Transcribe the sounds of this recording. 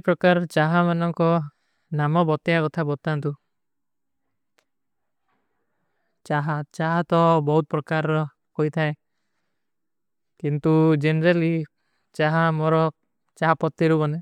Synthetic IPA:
pɾɔkaɾt͡ʃaɦamanɔŋkɔ | namɔbɔt̪jakɔt̪ʰabɔt̪ant̪u | t͡ʃaɦat͡ʃaɦat̪ɔbɔɦut̪ɔpɾɔkaɾɔ | kojt̪ʰae | kint̪ud͡ʒenɾali | t͡ʃaɦamɔɾɔ | t͡ʃaɦapɔt̪ːiɾubɔne

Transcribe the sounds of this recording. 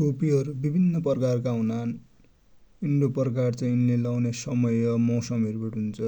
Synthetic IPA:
ʈopiɦʌɾubibʱinːʌpʌrkarkaũnan | inɖoprkart͡sãĩj̃unlelawnesʌmʌjʌmʌwsʌmiʌɾubeʈɦunt͡sʰʌ

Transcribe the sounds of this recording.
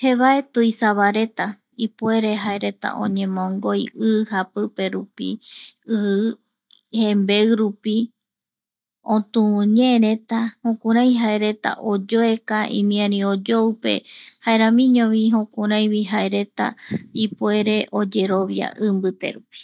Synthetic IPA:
heβae̞t̪ujsaβaɾe̞t̪a | ipue̞ɾe̞ɦaeɾe̞t̪a̰ʔõ̰ɲẽ̞mõŋɡo̞jɨhapɨpe̞ɾupḭɨ | hembe̞ɨɾupi | õt̪ũɲeɾe̞t̪ahõkuɾãj̃ɦaeɾe̞t̪a̰ʔod͡ʒoe̞kaʔḭ̃mĩãɾĩod͡ʒowpe̞̰haeɾãmĩɲõβiɦõkũɾãj̃βiɦaeɾe̞t̪a̰ipue̞ɾe̞ʔod͡ʒe̞ɾo̞βja̰ʔɨmbɨt̪e̞̰ɾupi̥

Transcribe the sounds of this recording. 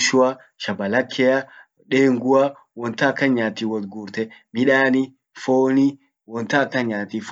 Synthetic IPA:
ʃʊɐ | ʃɐbɐlɐkʰːɛja | ᶑe̞ːŋɡʊa | wɔnt̪ɐːkːɐɲːaːt̪iːwɔt̪ɡuːɾt̪ɛmɪᶑaːni | foːni | wɔnt̪aːkːɐɲːaːt̪iːf

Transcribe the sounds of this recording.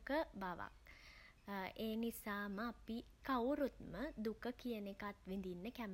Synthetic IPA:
kəbaʋa̰k̚ | eːnisaːməapikawɾut̪məd̪ukəkijənekat̪ʋind̪inːəkæm

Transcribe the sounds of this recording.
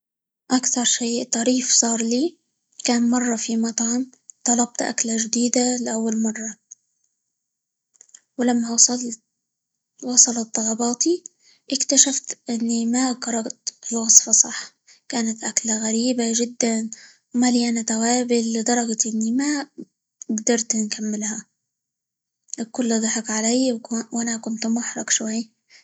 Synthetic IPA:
ʔakθɑɾˤʃeːt̪ˤɑɾiːfsˤɑːɾˤliː | kaːnmɑrˤːɑfimɑt̪ˤʕɑm | t̪ˤɑlɑb̚t̪ʔa̰klaʒd̪iːd̪alɪʔawːalmɑrˤːɑ | wlamːa | wɑsˤɑlɑt̪̚ˤd̪ˤɑlɑbɑːt̪i | ʔɪkt̪aʃaft̪ʔɪnːimakɑɾˤɑɡt̪lwɑsˤfɑsˤɑ̰ħ | kaːnat̪ʔaklaɣaɾiːbaʒɪd̪ːan | wmaliʔanat̪awaːbɪlːɪd̪ˤɑɾˤɑɡt̪ʔɪnːima | ɡd̪ɑɾˤt̪nkʰamːɪlha | kʊlːd̪ˤɑħɪkʕalajwwʔanakʊnt̪mʊħɾˤɑ̰ɡʃwaj

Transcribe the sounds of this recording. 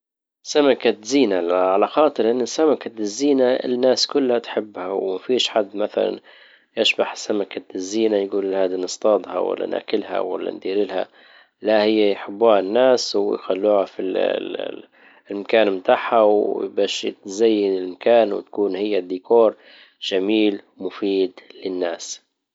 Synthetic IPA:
samakaziːnaʕalaxɑːt̪ˤɨɾʔɪnːɪsːamakazːiːnaɪ̰nːaːskʊlːhat̪ħɪbːhawmafiːʃħad̪ːmaθa̰la̰n | ʔaʃbaħsamakazːiːnajɡuːlhaːd̪inɨst̪ˤɑːd̪ˤhɑ̰wa̰lːa̰nʔa̰ːkɪlha̰wa̰lːa̰nd̪iːɾɪlha̰ | lahɪjːajħɪbːuːhanːaːsw̰jxalːuːhafi | ɪlmakaːnmt̪aːħhawbaːʃt̪zajːɪnɪlmakaːnwɪ̰t̪kuːnhɪjːad̪ːiːkoːɾˤ | ʒ̥amiːl | mʊfiːd̪lɪnːaːs

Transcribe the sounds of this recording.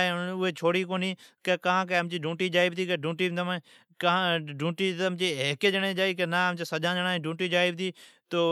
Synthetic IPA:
ɦeʊɦeːt͡ʃʰoːɽiːkoːniːkekãːkeəmt͡ʃiːɖũːʈiːd͡ʒaːɪbt̪ʰiːkəɖʱũːʈiːnd̪əmː | kːɖũːʈiːt̪mt͡ʃiːɦked͡ʒəɳẽːd͡ʒaːiːkenaːəmt͡ʃeːsəʄãːd͡ʒəɽãːẽːɖũːʈiːd͡ʒaːɪb̚t̪iːt̪oː

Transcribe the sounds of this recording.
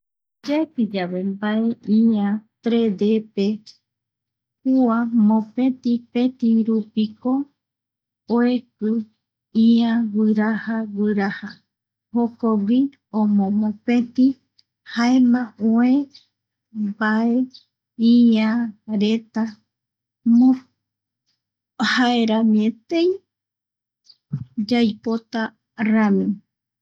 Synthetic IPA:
d͡ʒepid͡ʒaβe̞mbae̞iãt̪ɾed̪epe | kuamõpẽ̞t̪ipẽ̞t̪iɾupiko | ekɨ | iãwɨɾahawɨɾaha | hokowi | õmõmõpẽt̪i | haemãoẽ | bae | iãɾet̪a | mõ | haeɾãmĩẽt̪ẽj | d͡ʒajpot̪a | ramĩ

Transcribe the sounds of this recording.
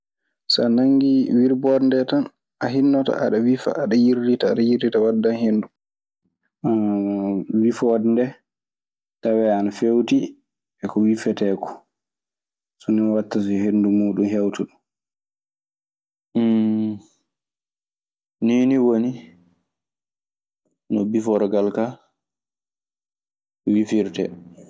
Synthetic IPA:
sa̰naŋɡiwiɾbɔɾndɛtan | ʔaɦinːɔta̰ʔa̰ɗawifa̰ʔaɗajiɾditaːɗajiɾditawadːanhendu | wifdndɛ | tawɛanafewti | ɛkɔwifɛtɛːkɔ̥ | sɔniwatːas̬ɛɦendumuːɗumɦewtuɗum | niːniwoni | nɔbifɔɾɡalka | wifiɾtɛ̰

